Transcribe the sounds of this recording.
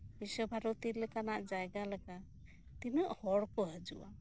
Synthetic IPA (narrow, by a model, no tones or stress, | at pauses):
bisɔbʱaɾɔt̪ilɛkanaʔd͡ʒajɡalɛka | t̪inəʔhɔɽkɔɦad͡ʒuʔa